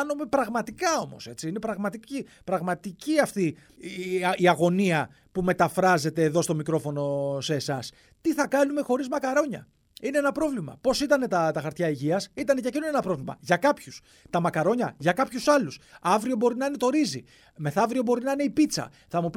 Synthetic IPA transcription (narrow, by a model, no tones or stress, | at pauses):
ɐnume̞pɾɐɣmɐt̪ikɐo̞mo̞̰se̞t͡siine̞pɾɐɣmɐt̪icipɾɐɣmɐt̪iciɐft̪i | iɐɣo̞niɐ | pume̞t̪ɐfɾɐze̞t̪e̞ːðo̞st̪o̞mikɾo̞fo̞no̞se̞ːsɐs | t̪iθɐkɐnume̞xo̞ɾizmɐkɐɾo̞ɲɐ̰ | ine̞enɐpɾo̞vlimɐ̰po̞sit̪ɐne̞t̪ɐt̪ɐxɐɾt̪çɐiʝiɐsit̪ɐnecɐcinunenɐpɾo̞vlimɐ̰ʝɐkɐpçus | t̪ɐmɐkɐɾo̞ɲɐʝɐkɐpçusɐlusɐvɾio̞bo̞ɾinɐine̞t̪o̞ɾizi | me̞θɐvɾio̞bo̞ɾinɐine̞ipit͡sɐ̰ | θɐmup